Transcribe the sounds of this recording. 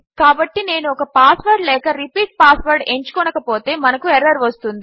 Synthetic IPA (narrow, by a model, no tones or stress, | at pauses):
kaːbɐʈːine̞ːnuɔkɐpaːsʋɐɾɖlɛːkɐɾipiːʈ̚paːsʋɐɾɖe̞ɲt͡ʃu̥kɔnɐkɐpo̞ːt̪e̞ːmɐnɐkueɾɐɾʋɐst̪und̪i